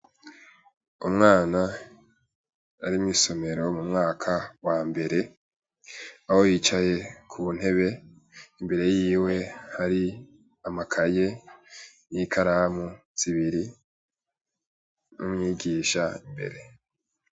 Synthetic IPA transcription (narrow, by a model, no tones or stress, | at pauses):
umŋaːna | ɾimiso̞me̞ɾo̞mumŋaːkʰawaːmbe̞ɾe̞ | ahojit͡ʃaje̞kʰuβun̥e̞βe̞ | imbe̞ɾe̞jiːwe̞haɾi | amakʰaje̞ | jikʰaɾamu | z̥iβiɾi | nṵmŋiːɡiːʃaimbe̞̰ɾe̞